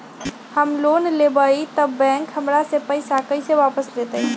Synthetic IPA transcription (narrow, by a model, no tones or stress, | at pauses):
həmlonlebəit̪əbːɛ̃ŋkɦəmɾasẽpəɪsakəɪseʋapəslet̪ə